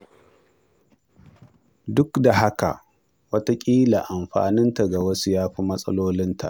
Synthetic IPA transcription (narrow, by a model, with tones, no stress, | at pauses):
dʊ˦kda˨ɦa˦ka̰˨ʔ | wɐ˦ta˦kʲʼiː˦la˨ʔa˨mɸa̰ː˨nɪ˦nta˨ɡa˨wɐ˦su˦jaː˦ɸi˦mɐ˦sʼɐ̰˦loː˦lɪ˦nta̰˨ʔ